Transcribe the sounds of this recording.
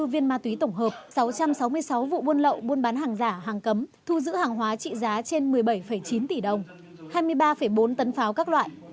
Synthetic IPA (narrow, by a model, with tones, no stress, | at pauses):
ɨ˧vi˧ənmaː˧t̪wi˨˦t̪ə˧˩ŋ͡mɦəː˨˩p̚sa˨˦wt͡ɕa˧msa˨˦wmɨ˧əjsa˨˦wvṵ˧˨ɓu˧ənlə̰˧˨wɓu˧ənɓaː˨˦nɦaː˨˩ŋzaː˧˩ɦaː˨˩ŋkə˨˦mt̪ʰu˧zɨ̰˧˥haː˨˩ŋɦwaː˨˦t͡ɕḭ˧˨zaː˨˦t͡ɕe˧nmɨ˨˩əjɓə˧˩jfə˧˩jt͡ɕi˨˦nt̪i˧˩ɗə˨˩wŋ͡m | haː˧jmɨ˧əjɓaː˧fə˧˩jɓo˨˦nt̪ə˨˦nfaː˨˦wkaː˦˥k̚lwa̰ː˧˨jʔ